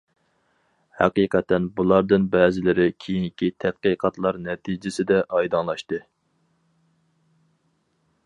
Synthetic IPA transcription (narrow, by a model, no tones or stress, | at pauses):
hæ̰qiːqʰɛt̪ːɛnbulˠɑɾd̪ɨnbɛːzɪlɪɾɪkʲʰejiŋkʲit̪ʰɛt̪̚qɨqʰɑt̪lˠɑɾnɛt̪ʰid͡ʒɪsɪd̪ɛʔɑjd̪ɑnlˠɑʃt̪ɨ